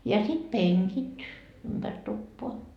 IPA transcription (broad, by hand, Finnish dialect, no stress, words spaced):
jɑ sit peŋkit ympær tupːoɑ